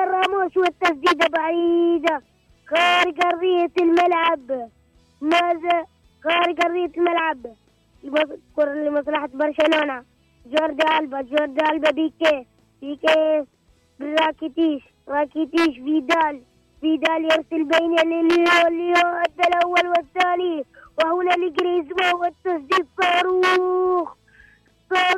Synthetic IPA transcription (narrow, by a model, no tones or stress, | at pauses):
ɑrˤːɑːmoːʃwat̪ːasd̪iːd̪abaʕid̪a | ɣeːɾɡɑɾˤːɪjalmalʕab | maða | ɣeːɾɡɑrˤːɪjːat̪lmalʕab | msklmɑsˤlɑħat̪bɑɾˤʃaloːna | d͡ʒoːɾd̪aːlbad͡ʒoːɾd̪aːlbabike | bike | bɾˤɑːkit̪iːʃ | ɾˤɑːkit̪iːʃbiːd̪aːl | bid̪aːljɪɾsɪlbejnalilolad̪alʔawːalwɪt̪ːaːniwahunaliɡɾizmawɪt̪ːɑsˤd̪iːt̪sˤɑːɾux | sˤɑ